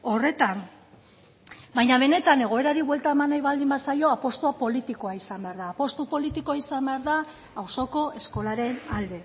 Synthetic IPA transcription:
o̞re̞t̪am | bajɲaβ̞e̞ne̞t̪ane̞ɣ̞o̞e̞ɾaɾiβwe̞lt̪aemanajβald̪imbasajo̞apo̞st̪uapo̞lit̪iko̞aisambe̞aɾðaːpo̞st̪upo̞lit̪iko̞aisambe̞aɾða | awso̞ko̞e̞sko̞laɾe̞nald̪e̞

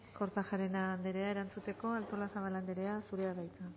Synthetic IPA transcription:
ko̞ɾt̪axaɾe̞nand̪eɾe̞ae̞ɾant͡sut̪e̞ko̞alt̪o̞lasaβaland̪eɾe̞asuɾe̞aβajt͡sa

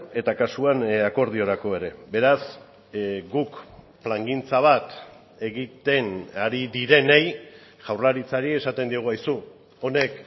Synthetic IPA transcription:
e̞t̪akasuanako̞ɾð̞io̞ɾako̞e̞ɾe̞be̞ɾas | ɡuk | plaŋɡint͡saβ̞at̪ | e̞ɣit̪e̞naɾiðiɾe̞nej | ʝawrlaɾit͡saɾie̞sat̪e̞nd̪ioɣ̞uajsu | o̞ne̞k

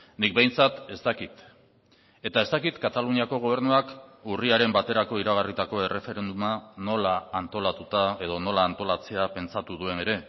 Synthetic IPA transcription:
nik̚bejnt͡sat̪e̞st̪akit̪ | e̞t̪aest̪akit̪kat̪aluniako̞ɣ̞o̞β̞e̞ɾnuakuriaɾe̞mbat̪e̞ɾako̞iɾaɣ̞arit̪ako̞e̞re̞fe̞ɾe̞nd̪umano̞laːnt̪o̞lat̪ut̪ae̞ð̞o̞no̞laːnt̪o̞lat͡se̞ape̞nt͡sat̪uðue̞ne̞ɾe̞

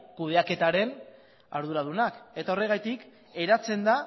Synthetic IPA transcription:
kuð̞e̞ake̞t̪aɾe̞n | a̰ɾð̞uɾað̞unake̞t̪ao̞re̞ɣ̞ajt̪ik | e̞ɾat͡se̞nd̪a

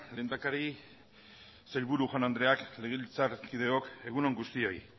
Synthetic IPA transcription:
le̞nd̪akaɾi | sejlβuɾuʝanand̪ɾe̞akle̞ɣ̞ilt͡saɾkið̞e̞o̞ke̞ɣ̞uno̞ŋɡust̪io̞i

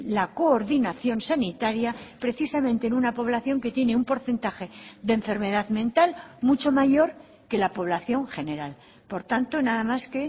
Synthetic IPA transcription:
lako̞ːɾðinaθjo̞nsanit̪aɾjapɾe̞θisamẽ̞nt̪enunapo̞βlaθjo̞ŋke̞t̪je̞neumpo̞ɾθe̞nt̪axe̞d̪eɱfe̞ɾme̞ð̞aðmẽ̞nt̪almut͡ʃo̞maʝo̞ɾ | ke̞lapo̞β̞laθjo̞ŋxe̞ne̞ɾal | po̞ɾt̪ant̪o̞naðamaske̞

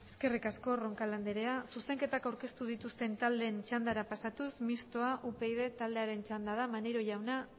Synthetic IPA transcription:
e̞ske̞rikasko̞ro̞ŋkaland̪eɾe̞asuse̞ŋke̞t̪akawɾke̞st̪uð̞it̪ust̪e̞nt̪ald̪e̞ːnt͡ʃand̪aɾapasat̪usmist̪o̞aʔupe̞iðe̞t̪ald̪e̞aɾe̞nt͡ʃand̪að̞amaneɾo̞ʝawna

